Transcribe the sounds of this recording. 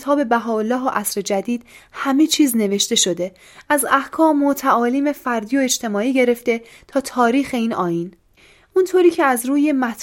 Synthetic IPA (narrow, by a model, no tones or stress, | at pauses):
t̪ʰɒːbe̞bæɦɒːolːɒːɦoʔæsɾe̞d͡ʒæd̪iːd̪̥̚hæme̞t͡ʃʰiːzne̞ve̞ʃt̪e̞ʃo̞d̪e̞ | ʔæzæhkʰɒːmot̪ʰæʔɒːliːme̞fæɾd̪ijo̞e̞d͡ʒt̪ʰe̞mɒːiːɟe̞ɾe̞ft̪e̞ | t̪ʰɒːt̪ʰɒːɾiːxe̞iːnɒːjiːn | ʔunt̪ʰoɾiːcʰeæzɾuːje̞mæt̪ʰ